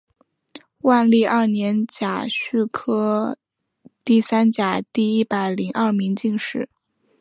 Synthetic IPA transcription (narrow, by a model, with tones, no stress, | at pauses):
wa˥˧nli˥˧ʔɐ˞˥˩njɛ˧˥nt͡ɕja˨˩ɕy˥˩kʰɤ˥ | t̪i˥˩sa˥nt͡ɕja˨˩t̪i˥˩i˥pa˨˩ɪli˧˥ŋʔɐ˥˩mi˧˥ŋt͡ɕi˥˧ŋʂɻ̩˥˩